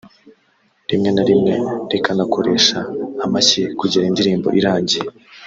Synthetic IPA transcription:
ɾimŋe̞naɾimŋe̞ɾekanako̞ɾe̞ʃaːmacekuɟiɾaindiɾiːmbo̞̰ʔiɾaːɲɟie

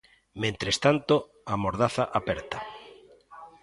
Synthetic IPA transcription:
mẽnt̪ɾest̪ant̪o | amoɾðaθaʔapɛɾt̪a

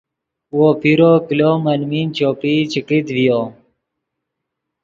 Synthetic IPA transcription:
woːpʰiɾoːkiloːmənmiːnt͡ɕoːpiːt͡ɕikit̪ʋijoː

